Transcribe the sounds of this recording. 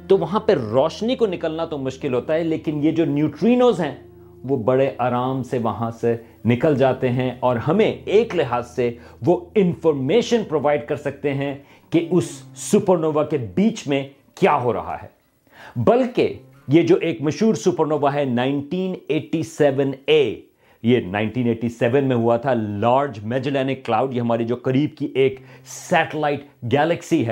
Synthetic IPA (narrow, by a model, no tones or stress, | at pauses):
t̪oʋɐɦãpɐɾɔːʃnikonɪkəlnat̪omʊʃkɪlɦoːt̪aɦɛleːkɪnjed͡ʒoːnjuːʈɾiːnoːzɦɛ̃ | ʋobɐɽeʔaːɾaːmseʋɐɦãse | nɪkəld͡ʒaːt̪eɦɛ̃ʔɔːɾɦɐmẽeːklɪɦaːzse | ʋoɪ̃nfɔːɾmeːʃə̃npɾoːʋaːɪɖkɐɾsɐk̚t̪eɦɛ̃ | keʔʊsːupəɾnoːʋakebiːt͡ʃmẽ | kjaːɦoɾɐ̰ɦa̰ɦɛ̰ː | bɐlke | jed͡ʒoːʔeːkmɐʃɦuːɾsupəɾnoːʋaɦɛnãːɪ̃nʈiːneːʈːisɛːʋə̃neː | jenãːɪ̃nʈiːneːʈisɛʋənmẽɦuat̪ʰalaːɾd͡ʒmɛːd͡ʒɪlɛːnɪkːlaːʊɖjeɦɐmaːɾid͡ʒoːkɐɾiːb̚kiʔeːksɛːʈəlaːɪʈ | ɡɛːləksiɦɛ